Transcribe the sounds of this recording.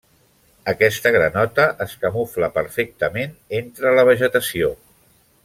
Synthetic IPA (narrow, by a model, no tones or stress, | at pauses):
əkɛst̪əɣɾənɔt̪əʔəskəmufləpəɾfek̚t̪əmenent̪ɾələβ̞əʒət̪əsio